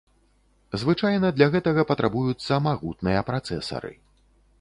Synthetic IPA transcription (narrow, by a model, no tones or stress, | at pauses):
zvɨt͡ʂajnɐd̪lʲaɣɛt̪ɐɣɐpɐt̪ɾʔabujut̪sːɐmaɣut̪nɨjɐpɾat̪sɛ̰sɐ̰ɾɨ̰